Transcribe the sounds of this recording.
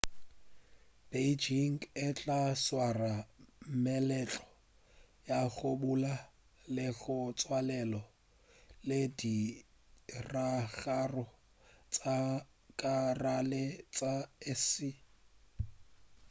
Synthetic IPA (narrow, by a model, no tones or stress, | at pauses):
b̥ed͡ʒiŋɪt͡ɬʼaswaramɛlɛt͡ɬʼɔ̥ | jaɣʊbula | lɪɣʊt͡sʼwalɛlɔ | ledi | raɣarɔ | t͡sʼakʼaralɛt͡sʼaɛsi